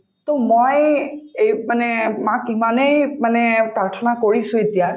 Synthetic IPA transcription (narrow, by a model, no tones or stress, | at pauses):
tomojejmanɛmakimanejmanɛpɹaɹtʰɔnakoɹisʊ̃etija